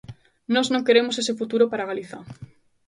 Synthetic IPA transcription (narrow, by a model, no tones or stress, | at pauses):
nɔznõŋkeɾemosesefut̪uɾopaɾaɣaliθa